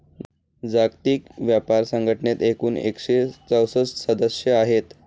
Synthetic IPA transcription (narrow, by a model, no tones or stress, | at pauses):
d͡zaɡt̪iːkʋjapaɾsəŋɡʱəʈʰənet̪ekuːnḛkʂet͡səwsət͡ssəd̪əsjəaɦet̪